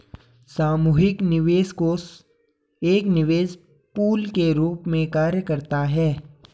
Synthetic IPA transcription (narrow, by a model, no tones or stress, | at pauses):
saːmuːɦɪknɪʋeːzko | eːknɪʋeːz | puːlkeɾuːpmẽkaːɾjəkəɾt̪aɦɛː